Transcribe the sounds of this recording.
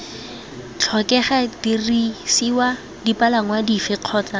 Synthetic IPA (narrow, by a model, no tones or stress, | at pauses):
t͡ɬʰɔkɛχatirisiwa | dipalaŋ̩wadifɪq͡χʰɔːt͡sa